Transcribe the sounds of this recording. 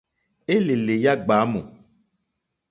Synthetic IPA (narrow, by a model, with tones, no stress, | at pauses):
e˦le˨le˨ja˦ɡ͡ba˨˦mõ̰˨